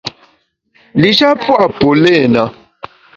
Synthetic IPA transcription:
li˨ʃa˦pwa˨po˨le˦˨na˨

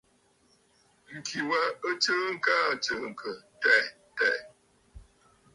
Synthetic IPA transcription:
ŋ̩˨kʰi˨wa˨ə˦t͡ʃə˦ŋ̩˦ka˦ə˨t͡ʃə˦ŋ̩˨kʰə˨tɛ˦˨ | tɛ˦˨

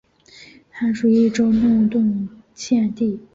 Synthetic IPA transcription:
t̪ʰa˥nʂu˨˩i˥˩ʈ͡ʂo˥ʊnu˥˧ŋt̪ʊ˥˧ŋ | t͡ɕʰjɛ˥˧nt̪i˥˩

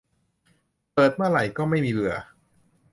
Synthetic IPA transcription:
pɤː˨˩t̪̚mɯ˥˩ɐɾa˨˩jkɔː˥˩ma˥˩jmiː˧lɯ˧ɐ

